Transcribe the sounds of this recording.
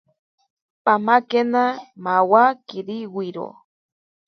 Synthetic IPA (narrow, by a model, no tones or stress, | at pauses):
pamakenamawakiɾiwiɾo̰